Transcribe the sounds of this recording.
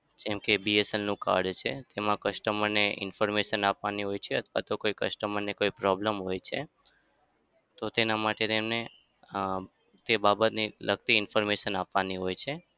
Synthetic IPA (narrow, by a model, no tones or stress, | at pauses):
d͡ʒɛ̃mkebiesəlnũka̰ɾɖt͡ʃʰet̪emãkəʃʈəməɾneɪ̰nfɔɾmeʃənapʋaniɦojt͡ʃʰeət̪ʰʋa̰t̪okoikəʃʈəməɾnekoipɾɔbləmɦojt͡ʃʰe | t̪ot̪enamaʈet̪emne | t̪ebabət̪niləɡt̪iɪnfɔɾmeʃənapʋaniɦojt͡ʃʰe